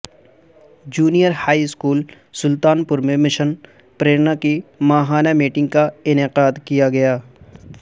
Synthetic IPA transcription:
d͡ʒuːnijəɾhaːiɪskuːl | sʊlt̪aːnpʊɾmẽmɪʃən | pɾeːɾnakimaːɦaːnamiːʈɪ̃ŋɡ̚kaɪnɪqaːd̪kijaɡɐjaː

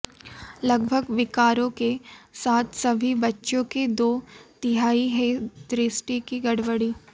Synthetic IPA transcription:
lɐɡbʱəɡʋɪkaːɾõkesaːt̪ʰsɐbʱibɐtːʃõked̪oːt̪ɪɦaːiɦɛ̃d̪ɾɪsʈikiɡɐɽʋəɽiː

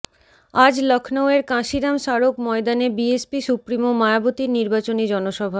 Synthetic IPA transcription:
ad͡ʑlɔkʰnoweɾkãʃiɾamʃaɾokmɔed̪anebiespisupɾimomaeabot̪iɾniɾbat͡ɕonid͡ʑɔnoʃɔbʱa

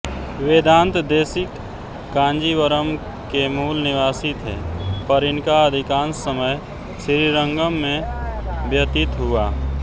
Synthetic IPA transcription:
ʋeːd̪ãːnt̪d̪eːsɪkː | ãːnd͡ʒiʋəɾəm | kemuːlnɪʋaːsit̪ɦḛːpəɾɪnkaəd̪ʱɪkãːnsːəməj | sɪɾiɾəŋɡəmːẽbʱjət̪ɪt̪ɦuaː

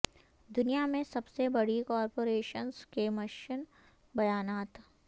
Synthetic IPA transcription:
d̪ʊnijamẽsɐbsebɐɽikɔːɾpoːɾeːʃənskemɐʃɪn | bɐjaːnaːt̪

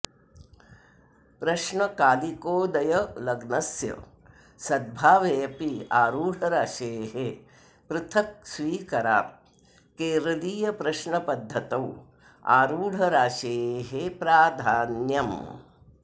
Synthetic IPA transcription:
pɾɐʃɳɐkaːlikoːd̪ɐjɐlɐɡnɐsjɐ̰ | sɐd̪̚bʱaːʋeːɐpiaːɾuːɽ̤ɐɾaːʃeːɦe | pɾɪt̪ʰɐk̚sʋiːkɐɾa̰ː | keːɾɐliːjɐpɾɐʃɳɐpɐd̪ʱːɐt̪ɐw | a̰ːɾuːɽ̤ʱɐɾaːʃeːɦepɾaːd̪ʱaːnjɐm

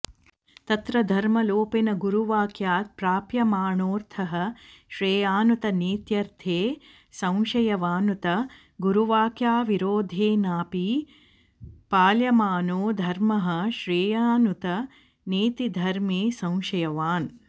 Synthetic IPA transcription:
t̪ɐt̪ɾɐd̪ʱɐɾmɐloːpenɐɡuɾuʋaːkʰjaːt̪̚pɾaːpjɐmaːɳoːɾt̪ʰɐɦɐ̆ʃɾeːjaːnut̪ɐneːt̪jɐɾt̪ʰeː | sɐ̃w̃ʃɐjɐʋaːnut̪ɐ | ɡuɾuʋaːkjaːʋiɾoːd̪ʱeːnaːpi | paːljɐmaːnoːd̪ʱɐɾmɐɦɐ̆ʃɾeːjaːnut̪ɐ | neːt̪id̪ʱɐɾmeːsɐ̃w̃ʃɐjɐʋaːn

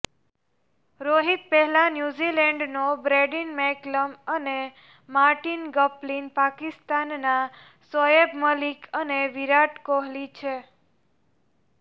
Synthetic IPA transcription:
ɾoɦit̪̚pɛɦɛlanjuzilɛɳɖnobɾeɖinmɛkləməne | maɾʈinɡəplinpakist̪anːa | səjebməlikʰəneʋiɾaʈkoɦlit͡ʃʰe

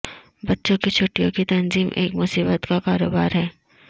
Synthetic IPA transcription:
bɐtːʃõkit͡ʃʰʊʈːijõkit̪ɐnziːmʔḛːkmʊsiːbət̪kakaːɾoːbaːɾɦɛː

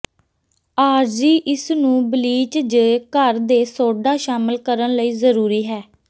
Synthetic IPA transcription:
aːɾd͡ʒiːʔɪsnũːbəliːt͡ʃd͡ʒkəɾd̪eːsoːɖaːʃaːməlkəɾənləiːzəɾuːɾiːɦɛː

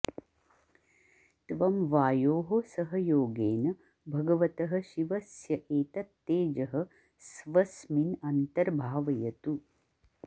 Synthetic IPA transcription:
t̪ʋɐmʋaːjoːɦosɐɦɐjoːɡeːnɐ | bʱɐɡɐʋɐt̪ɐɦɐ̆ʃiʋɐsjɐʔeːt̪ɐt̪ːeːd͡ʒɐɦɐ̆ | sʋɐsminɐnt̪ɐɾbʱaːʋɐjɐt̪u

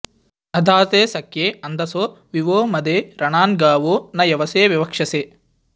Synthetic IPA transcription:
ɐd̪ʱaːt̪eːsɐkjeːɐnd̪ɐsoːʋiʋoːmɐd̪eːɾɐɳaːnɡaːʋoːnɐjɐʋɐseːʋjɐʋɐkʂɐseː

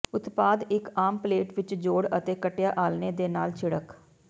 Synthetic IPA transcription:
ʊt̪paːd̪ɪkaːmpleːʈʋɪt͡ʃd͡ʒoːɽət̪eːkəʈjaːʔaːlneːd̪eːnaːlt͡ʃʰɪɽək

